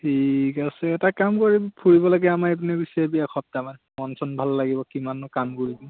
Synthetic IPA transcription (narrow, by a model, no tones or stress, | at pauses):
tʰikasɛɛtakamkoɹibpʰuɹibɔlaɡɛamaep̬unibisabiakʰɔp̚tamanmɔnsɔnbʱalːaɡibɔkimanʊkamɡulibɔ